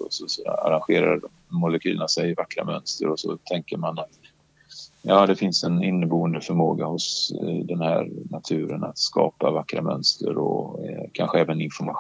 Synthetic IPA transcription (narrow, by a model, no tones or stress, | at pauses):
ɔsɔsɔa̰ɾanɧeːɾa̰dɔmːʊlɛkʰyːlə̰nasɛjɪvakːɾa̰mœnst̪əɾɔsɔt̪ʰɛŋkəɾmanat̪ | jɑːd̪ɛfɪnsɛnɪnːəbuːənd̪əfœɾmoːɡahʊsd̪ɛnhæːɾnat̪ʰʉ̟ːɾənat̪skɑ̰ːpavakːɾamœnst̪ʰəɾɔkʰanɧəɛːvənɪnfɔɾma